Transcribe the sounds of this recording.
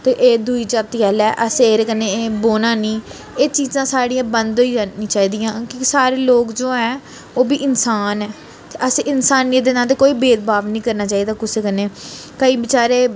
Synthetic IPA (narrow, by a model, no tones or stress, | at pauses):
t̪eːʔeːd̪uiːt͡ʃaːt̪iəlɛːʔəseɾekəneeːboːnãːnĩː | eːt͡ʃiːzãːsaːɽijãːbənd̪oːiːd͡ʒanĩːt͡ʃaːiːd̪ɪjãːkɪsaːɾeːloːkd͡ʒoːɛː | oːbiːʔɪnsaːnɛː | əseːʔɪnsaːnijəd̪eːnãːt̪eːkoːiːbeːt̪̚baːʋnĩːkəɾnaːt͡ʃaːiːd̪aːkʊseːkəneːkəiːbɪt͡ʃaːɾeː